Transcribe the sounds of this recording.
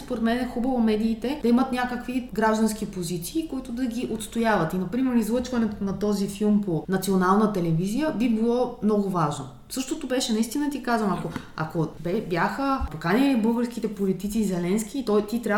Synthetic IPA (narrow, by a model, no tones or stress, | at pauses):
spoɾɛt̪mɛnɛxubəvomɛd̪iːt̪ɛd̪ɐimət̪nʲakəkviɡɾaʒd̪ɐnsk̟ipozit̪siːkʊit̪ʊd̪ɐɡʲiʔot̪st̪ojavɐt̪inɐpɾimɛɾizlˠɤt͡ʃvɐnɛt̪nɐt̪ɔzifilˠmponɐt̪sionalˠnət̪ɛlɛvizijəbibilˠɔmnɔɡʊvaʒno | sɤʃt̪ot̪obɛʃɛnɐist̪inɐt̪ikazvəmɐko | ɐ̰kobɛbjaxəpokaniibɤlˠɡəɾskit̪ɛpolit̪it̪sizɛlɛnsk̟ʲit̪ɔjt̪it̪ɾʲa